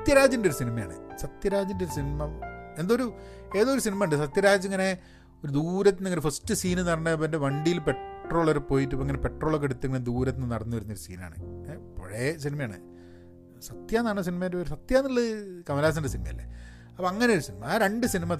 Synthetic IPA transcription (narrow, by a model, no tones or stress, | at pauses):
t̪jɐɾaːd͡ʑɐndeo̞ɾusinimɐja̰ːɳɨ̰sɐt̪jɐɾaːd͡ʑindeoɾusinimɐend̪oɾue̞ːðoːɾusinimɐɐɳɖɨs̬ɐt̪jɐɾaːd͡ʑiŋːɐne̞ | o̞ɾud̪uːɾɐt̪̬ːinːiŋːɐnfɐstːɨsiːnɨnɐrɐnːɨpɐndeʋɐɳɖijilpe̞ʈro̞ːɭɐɾpːo̞ːjit̬ːupːoeŋːɐnepe̞ʈro̞ːɭokːeɽut̪ːɨŋːɐd̪uːɾɐt̪inːɨnɐɽɐnːuʋɐɾunːo̞ɾusḭːna̰ːɳɨ̰po̰ɻesinimɐjaːɳɨ̰ | sɐt̪jaːnːaːɳos̬inimɐneɐɾusɐt̪jaːnːiɭːɐkɐmɐlaːs̬ɐndesinimɐ̰jɐlːḛ | ɐpːoɐŋːɐnejo̞ɾusinimɐaːɾe̞ɳɖɨsinimɐ